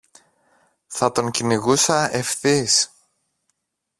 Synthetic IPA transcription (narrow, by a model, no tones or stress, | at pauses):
θɐt̪o̞ŋciniɣusɐefθis